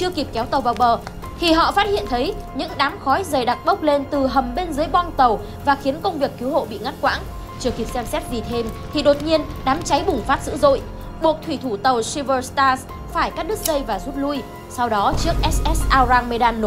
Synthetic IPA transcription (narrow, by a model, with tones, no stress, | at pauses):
t͡ɕɨ˧əki˨˩p̚kɛ˨˦wt̪ə˨˩wvaː˨˩wɓəː˨˩ | t̪ʰi˨˩ɦɔ̰˧˨faː˦˥t̚hḭ˧˨ənt̪ʰə˨˦jɲɨ̰˧˥ŋɗaː˨˦mxɔ˨˦jzəː˨˩jɗa˨˩k̚ɓə˦˥k͡p̚le˧nt̪ɨ˨˩ɦə˨˩mɓe˧nzɨː˨˦əjɓɔ˧nt̪ə˨˩w | vaː˨˩xi˨˦ənkə˧wŋ͡mvi˨˩əkːi˨˦who̰˧˨ɓḭ˧˨ŋa˦˥t̚kwa̰ː˧˥n | t͡ɕɨ˧əki˨˩p̚sɛ˧msɛ˦˥t̚zi˨˩t̪ʰe˧mt̪ʰi˨˩ɗo˨˩t̚ɲi˧ənɗaː˨˦mt͡ɕa˨˦jɓʊ˨˩ŋ͡mfaː˦˥t̚zɨ̰˧˥zo̰˧˨j | ɓu˨˩ək̚t̪ʰwi˧˩t̪ʰu˧˩t̪ə˨˩wsi˧və˧st̪aː˧s | faː˧˩jkaː˦˥k̚ɗɨ˦˥k̚zə˧jvaː˨˩zu˦˥t̚lu˧j | sa˧wɗɔ˨˦t͡ɕɨ˦˥ək̚ʔɛ˦˥sʔɛ˦˥sʔaː˧zaː˧ŋme˧ɗaː˧nː˨˦